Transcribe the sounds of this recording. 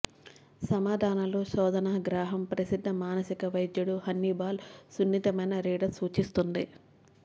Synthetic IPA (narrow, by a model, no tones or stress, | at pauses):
sɐmaːd̪ʱaːnɐloːʃɔːd̪ɐnaːɡɾaːɦɐmpɾɐsid̪ʱːɐmaːnɐsikɐʋɐjd̪juɽuhɐnːibaːlsunːit̪ɐmɐjnɐɾiːɽɐsuːt͡ʃist̪und̪i